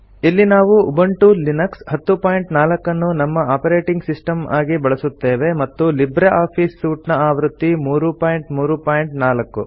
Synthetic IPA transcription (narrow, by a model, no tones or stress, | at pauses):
ilːinaːʋuʔːbɐɳʈulinɐkshɐt̪ːupaːjiɳʈnaːlɐkːɐnːunɐmːɐaːpɐɾeːʈiŋɡsisʈɐmʔaːɡibɐɭɐsut̪ːeːʋe̞mɐt̪ːulibɾeʔaːpʰiːsːuːʈnɐaːʋɾut̪ːimuːɾupaːjiɳʈmuːɾupaːjiɳʈnaːlɐkːṵ